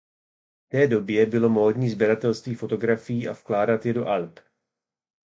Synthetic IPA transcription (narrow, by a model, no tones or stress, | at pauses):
ft̪ɛːdo̞bjɛbɪlo̞mo̞ːdɲiːzbjɛɾat̪ɛlst̪viːfo̞t̪o̞ɡɾafɪjiːʔafklaːdat̪jɛdo̞ʔalp